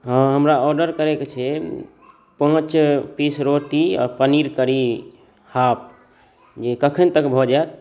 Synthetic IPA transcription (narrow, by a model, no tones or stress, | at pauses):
ɦə̃ɦəmɾaɔɾɖəɾkəɾeket͡ʃʰɛ | pə̃t͡ʃpisɾot̪iɔ̰ːɾpəniɾkəɾi | hap̚ | d͡ʒekəkʰənt̪əkbʱɔd͡ʒat̪̚